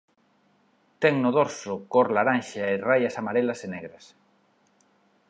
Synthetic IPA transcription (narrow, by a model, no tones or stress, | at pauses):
t̪ɛŋnʊðoɾsʊkoɾlaɾanʃaerajasamaɾelasenɛɣɾas